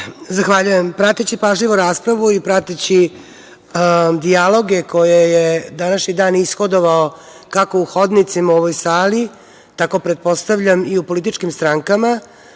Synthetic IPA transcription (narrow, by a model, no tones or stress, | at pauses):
zaxʋaʎuje̞mpɾat̪it͡ɕepaːʒʎiʋoɾaːspɾaʋuipɾat̪it͡ɕi | d̪ialo̞ɡe̞ko̞jejed̪anaʃɲid̪aːnisxo̞d̪o̞ʋao | kako̞uxo̞d̪nit̪simaoʋojsaːli | t̪ako̞pɾe̞t̪̚po̞st̪aʋʎamiupo̞lit̪̬it͡ʃkimst̪ɾaŋkama